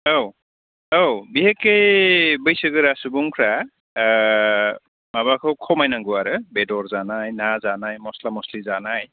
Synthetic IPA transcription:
ow | owbiɦekejbɯjsɯɡɯɾasubuŋkʰɾa | maβakʰɯwkʰɔmajnaŋɡuaɾɯbɛdɔɹzanajnazanajmɔslamɔslizanaj

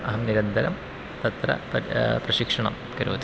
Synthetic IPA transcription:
ɐɦɐmniɾɐnd̪ʱɐɾɐm | t̪ɐt̪ɾɐ̰pprɐɕikʂɐɳɐ̰m | kɐɾoːt̪

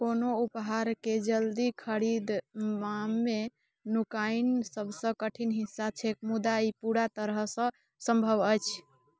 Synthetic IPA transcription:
konoupɦaɾked͡ʒəld̪ikʰəɾid̪mamːe | nukainsəbʱsə̃kəʈʰinɦisːat͡ʃʰekmud̪aipuɾat̪əɾəɦsə̃ | sə̃mbʱəbəjt͡ʃʰ

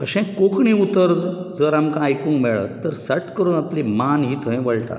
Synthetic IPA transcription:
əɕɛ̃kokɳiut̪əɾd͡zəɾamkãajkũːŋkmeɭə̰t̪ːəɾsəʈkəɾuːnaplimanɦiːt̪ʰə̃j̃ʋəɭʈa̰

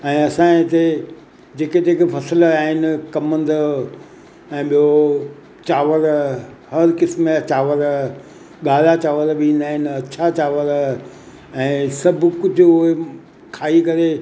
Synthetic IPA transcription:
ɛ̃ːɐsãːt̪e | d͡ʑeːket̪eːkefʰɐsəlaːɦɪnɪ̆kɐmə̃nd̪ə | ɛ̃ːɓijo | t͡ɕaːʋəɾhɐɾkɪsmẽt͡ɕaːʋəɾ | ɠaːlat͡ɕaːʋəɾbĩːnd̪aːɦɪnɪ̆ɐtːʃʰat͡ɕaːʋəɾ | ɛ̃ːsɐbʱʊkʊd͡ʑʱʊʊɦe | kʰaːikɐɾe

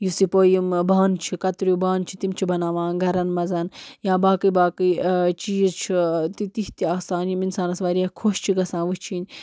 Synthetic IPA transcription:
jusipoːjimbaːnt͡ʃʰikɐt̪ɾubaːnt͡ʃʰi̥t̪imt͡ʃʰibɐnaːʋãːnɡʱɐɾɐnmɐzɐnjãːbaːkɨbaːkit͡ʃijit͡ʃʰit̪it̪iht̪iasãːnjuminsaːnɐsʋɐɾiakʰoʃt͡ʃʰiɡɐsãːʋɨt͡ʃʰinʲ

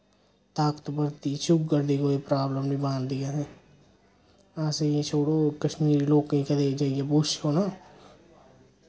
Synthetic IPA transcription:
t̪aːkt̪bəɾt̪it͡ʃʊkɡəɾd̪ikoepɾaːbləmbibãːnd̪ijaɦẽː | aːseet͡ʃʰoːɽokəʃmiːɾiloːkẽked̪eːkd͡ʒaːiebuːt͡ʃkoːnaː

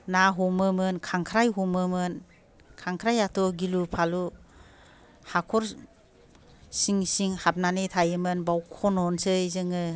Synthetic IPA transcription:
naɦɔmɯmɯnkʰaŋkʰɾajɦɔmɯmɯn | kʰaŋkʰɾajatʰɔɡilupʰalu | hakʰɔɾ | siŋsiŋhat̚nanɯtʰajɯmɯnbawkʰɔnɔnsɯjzɯŋɯ

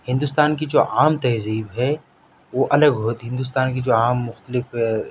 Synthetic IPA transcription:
hɪ̃nd̪uːst̪aːnkid͡ʒoːʔaːmt̪ɛɦziːbɦɛ | ʋoʔɐləɡɦoːt̪ɦɪ̃nd̪uːs̬t̪aːnkid͡ʒoːaːmːʊxt̪əlɪf

